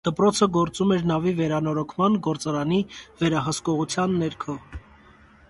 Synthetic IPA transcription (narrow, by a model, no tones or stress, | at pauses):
d̪̥əpɾɔt͡sʰəɡɔɾt͡sumɛɾnɑvivɛɾɑnɔɾɔkʰmɑnɡɔɾt͡sɑɾɑnivɛɾɑɦəskɔʁut͡sʰjɑnːɛɾkʰɔ